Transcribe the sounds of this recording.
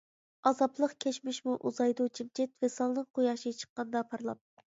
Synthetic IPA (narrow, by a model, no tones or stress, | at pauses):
ɑzɑplˠəqkʲʰɛt͡ʃmɪʃmuʔuzɑjd̪ut͡ʃʰimt͡ʃʰɛt̪vɛsɑlˠnɨŋqʰojɑʃit͡ʃʰə̥qːɑnd̪ɑpʰɑɾlˠɑ̰p̚